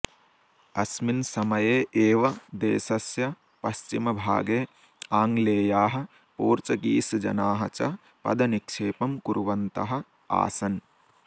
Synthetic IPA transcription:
ɐsminsɐmɐjeːʔeːʋɐd̪ḛːsɐsjɐ | pɐst͡ʃimɐbʱa̰ːɡeː | aːŋleːjaːɦɐ̆ | puːɾt͡ʃɐkiːsd͡ʒɐ̰naːɦɐt͡ʃɐ | pɐ̰d̪ɐnikʂeːpɐmkuɾʋɐnt̪ɐɦɐ̆ | a̰ːsɐn

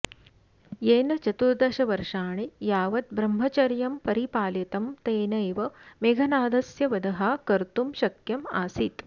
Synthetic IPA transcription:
jeːnɐt͡ʃɐt̪uɾd̪ɐʃɐʋɐɾʂaːɳejaːʋɐt̪̚bɾɐmɦɐt͡ʃɐɾjɐmpɐɾipaːljɐt̪ɐmt̪eːnɐjʋɐmeɡʱɐnaːd̪ɐsjɐʋɐd̪ɐɦaːkɐɾt̪umʃɐkjɐmaːsit̪

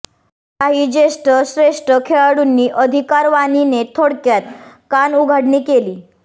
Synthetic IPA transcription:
aɦiːd͡ʑeʂʈəɕɾeʂʈəkʰeɭaɽunːiːʔəd̪ʱikaɾʋaninet̪ʰoɽkjat̪̚kanuɡʱaɽniːkeliː

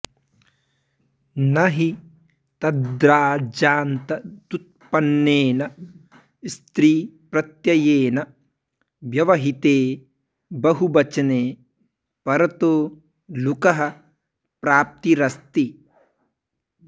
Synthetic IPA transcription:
nɐɦi | t̪ɐd̪ɾaːd͡ʒaːnt̪ɐt̪ut̪̚pɐnːeːnɐ | st̪ɾiːpɾɐt̪jɐjeːnɐ | ʋjɐʋɐɦit̪eː | bɐɦubɐt͡ʃɐneː | pɐɾɐt̪oː | lukɐɦɐ̆ | pɾaːp̚t̪iɾɐst̪i

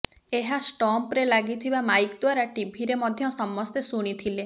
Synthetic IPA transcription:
eɦasʈɔmpɾelaɡit̪ʰibamajkɔd̪waɾaʈibʱiɾemɔd̪ʱjɔsɔmːɔst̪esuɽ̃it̪ʰile

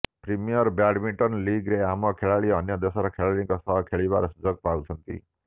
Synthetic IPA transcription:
pɾimijɔɾbaɖmiʈɔnliɡɾeamɔkʰeɭaɭiɔnjɔd̪esɔɾɔkʰeɭaɭiŋkɔsɔɦɔkʰeɭibaɾɔsud͡ʒɔɡpawt͡ʃʰɔnt̪ḭ

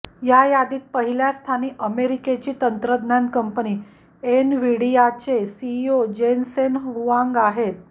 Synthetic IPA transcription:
jajad̪iːt̪̚pəɦiljast̪ʰaniːʔəmeɾiket͡ɕiːt̪ənt̪ɾəd̪nankəmpəniː | enʋiɽiat͡ɕesiod͡ʑensenɦɦuãŋɡaɦet̪̚

